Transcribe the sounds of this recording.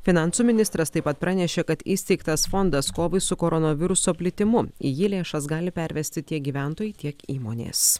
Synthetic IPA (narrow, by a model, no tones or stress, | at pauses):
fʲɪnɑˑnsuːmʲɪnʲɪst̪ɾɐst̪ɐɪpɐt̪̚pɾɑːnʲɛʃʲeːkɐt̪iːsʲt̪ʲɛɪkt̪ɐsfond̪ɐskoːʋɐɪsʊkoːɾɔnoʋʲɪɾʊsoːpʲlʲɪt̪ʲɪmʊɪ̰jɪlʲeːʃɐsɡɑːlʲɪpʲɛɾʲʋʲɛsʲt̪ʲɪt̪ʲiɛk̚ɡʲiːʋʲæˑnt̪oːjɛɪt̪ʲiɛkiːmoːnʲḛːs